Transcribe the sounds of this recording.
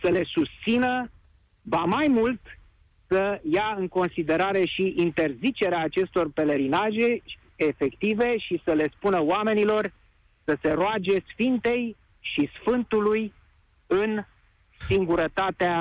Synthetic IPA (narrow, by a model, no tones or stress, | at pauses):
səle̞sust̪sinə | vamajmult̪ | səjaɨŋko̞nsid̪e̞ɾaɾe̞ʃiʔːnt̪e̞rzit͡ʃe̞ɾeaːt͡ʃe̞st̪o̞rpe̞le̞ɾinaʒe̞ | efe̞kt̪ive̞ʃisəle̞spunəoame̞nilo̞r | səse̞ɾoad͡ʒe̞sfint̪e̞j | ʃisfɨnt̪uluj | ɨn | siŋɡuɾət̪at̪ea